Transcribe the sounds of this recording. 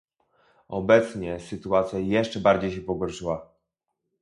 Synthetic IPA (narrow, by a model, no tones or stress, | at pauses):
ɔbɛt̪sɲɛsɘt̪uat̪sʲjajɛʂt͡ʂɛbaɾd͡ʑejɕɛpɔɡɔɾʂɘwa